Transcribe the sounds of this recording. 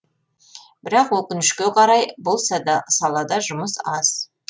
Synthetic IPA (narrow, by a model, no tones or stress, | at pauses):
b̥ɪɾɑqwɵkʲɪnɪʃkʲe̞qʰɑɾɑjbolˠsɑd̪ɑsɑlˠɑd̪ɑʒʊməsɑz̥